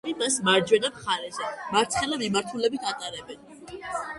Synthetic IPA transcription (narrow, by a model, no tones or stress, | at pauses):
ɾimasmaɾd͡ʒwɛnamχaɾɛzɛmaɾt̪sʰχɛlamimaɾt̪ʰulɛbit̪ʰat̪ʼaɾɛbɛn